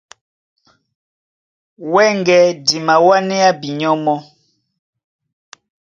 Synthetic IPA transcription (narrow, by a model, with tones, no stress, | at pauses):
wɛ˦ŋɡɛ˨di˨ma˨wa˦nɛ˦a˦bi˨ɲɔ˦mɔ˦